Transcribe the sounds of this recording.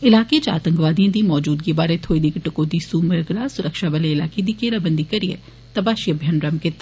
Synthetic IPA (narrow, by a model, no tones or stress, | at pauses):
ɪlaːket͡ʃa̰ːt̪ə̃ŋkʋaːd̪ijãːd̪iːmɔːd͡ʒuːd̪ɡibaːɾeːt̪ʰoːid̪ikʈəkoːd̪iːsuːməɾɡɾaːsʊɾəkʃaːʋəleɪlaːkeːd̪iːkeːɾaːbənd̪iːkəɾiḛː | t̪əpaːʃiəbʱjənɾəmkɪt̪ːaː